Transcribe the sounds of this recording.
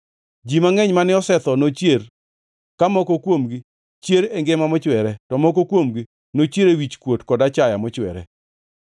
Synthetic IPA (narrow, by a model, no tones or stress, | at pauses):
d͡ʒimaŋɛɲmanɪɔsɛt̪ɔnot͡ʃjer | kamɔkokwomɡi | t͡ʃjeɾeŋɡemamɔt͡ʃwɛɾɛtɔmɔkokwomɡi | not͡ʃjeɾewit͡ʃkwotkɔdat͡ʃajamɔt͡ʃwɛ̰ɾɛ̰